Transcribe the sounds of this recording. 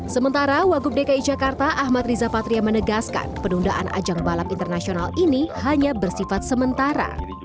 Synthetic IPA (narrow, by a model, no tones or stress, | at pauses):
səmənt̪aɾawaɡʊp̚dekaid͡ʒakart̪aʔaɦmat̪rizapat̪ɾiamənəɡaska̰npənundaʔa̰nʔa̰d͡ʒaŋbalapint̪ərnasionalinihaɲabərsifat̪̚səmənt̪aɾa̰